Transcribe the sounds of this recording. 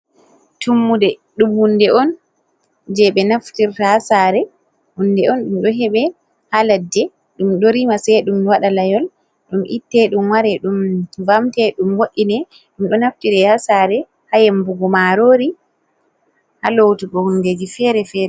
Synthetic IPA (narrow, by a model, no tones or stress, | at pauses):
tumːudɛɗumhundɛʔɔn | d͡ʒɛɓɛnaftiɾtahasaɾɛ | hunːdɛɔnɗumɗɔɦɛɓɛ | haladːɛ | ɗumɗoɾimasɛɗumwaɗalajɔl | ɗumʔḭtːɛɗumwaɾɛɗumvamtɛɗumwoɗːinɛ | ɗumɗɔnaftiɾɛhasaɾɛ | hajɛmbuɡɔmaɾoːɾi | halowtuɡɔhunded͡ʒifɛɾɛfɛɾɛ